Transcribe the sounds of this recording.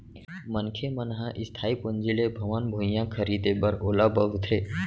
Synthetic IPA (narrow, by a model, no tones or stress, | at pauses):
mənkʰemənɦaʔɪst̪ʰaːipʊnd͡ʒilebʱɐʋənbʱũjãkʰəɾid̪ebɐɾoːlabəʋt̪ʰeː